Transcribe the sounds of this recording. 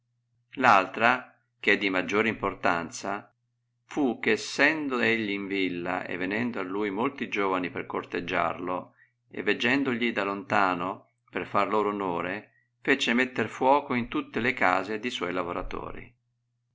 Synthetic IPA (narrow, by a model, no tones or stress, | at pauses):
lalt̪ɾa | k̟ɛd̪ːimad͡ʒːoːɾimport̪ant̪sa | fuk̟ːesːɛnd̪oeʎːiːɱvilːa̰ʔḛvːenɛnd̪oalːuːjmolt̪id͡ʒoːvaniperkort̪ed͡ʒːa̰rlo | ḛvːed͡ʒːɛnd̪oʎid̪alont̪aːno | perfarloːɾoonoːɾe | fet͡ʃemet̪ːerfwɔːkoint̪ut̪ːelekaːzed̪iswɔjlavoɾa̰t̪o̰ːɾḭ